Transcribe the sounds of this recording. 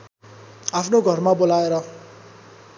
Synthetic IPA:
apʰnoɡʱʌrmabolaeɾʌ

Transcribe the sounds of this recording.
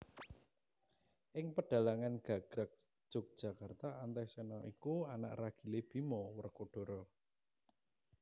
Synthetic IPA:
ʔɪŋpəɖ̥a̤laŋanɡ̥a̤ɡ̥ɾak̚ʒ̥ʊ̤k̚d̥ʒ̥a̤kart̪aant̪ɛsɛnɔʔikuana̰ʔraɡ̥i̤leb̥i̤mɔwərkoɖ̥o̤ɾɔ

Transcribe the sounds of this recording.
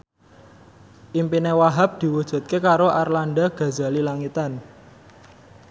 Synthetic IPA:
ʔimpinewaɦap̚d̪̥i̤wud̥ʒ̥ṳt̪̚kekaɾoʔarlanɖaɡ̥a̤za̤lilaŋit̪an

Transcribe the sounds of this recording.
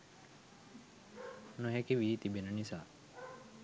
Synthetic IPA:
nuɦekiʋit̪ibenənisaː

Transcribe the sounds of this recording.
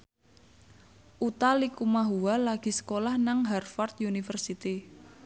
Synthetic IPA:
ʔut̪alikumaɦuwalaɡ̥i̤sə̥kolahnaŋɦɛrfart̪junifərsit̪i

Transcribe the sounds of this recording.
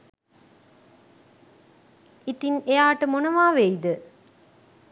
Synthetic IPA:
it̪inejaːʈəmonɐʋaːʋeid̪ə

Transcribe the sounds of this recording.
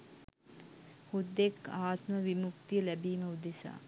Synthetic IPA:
hud̪ːekaːt̪məʋimukt̪ijəlæbiːməud̪esa̰ː

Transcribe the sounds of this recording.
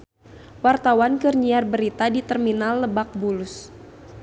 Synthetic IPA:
wart̪awankərɲiarbəɾit̪adit̪ərminalːəbak̚bulʊs

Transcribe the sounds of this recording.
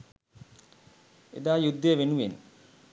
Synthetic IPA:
ḛd̪aːjud̪ːeːʋenuʋen

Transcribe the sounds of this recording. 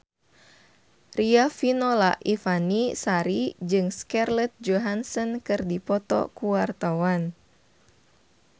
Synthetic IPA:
riafinɔla̰ʔifanisaɾid͡ʒɨŋskarlɛt̪̚d͡ʒoɦansɔnkɨrdipɔt̪ɔ̰kuwart̪awan

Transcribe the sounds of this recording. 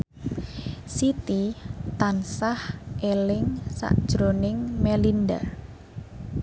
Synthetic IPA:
sit̪it̪ansahʔelɪŋsa̰ʔd̥ʒ̥ɾonɪŋmelinda̰

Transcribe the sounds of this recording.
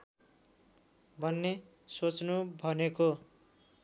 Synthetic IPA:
bʱʌnːe | sot͡snubʱʌneko

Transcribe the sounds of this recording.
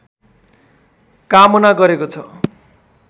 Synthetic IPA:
kamonaɡʌɾekot͡sʰʌ

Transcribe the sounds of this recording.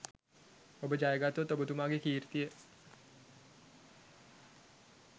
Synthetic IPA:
obəd͡ʒajəɡat̪ot̪obət̪umaːɡekiːɾt̪ijə

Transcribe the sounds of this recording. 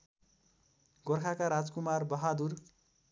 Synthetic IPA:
ɡorkʰakaɾad͡zkumarbʌɦad̪ur

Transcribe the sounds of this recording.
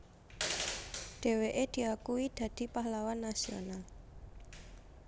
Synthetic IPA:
ɖ̪̥e̤weʔed̪̥i̤akuid̪̥ä̤d̪̥i̤pahlawanːasio̰nal

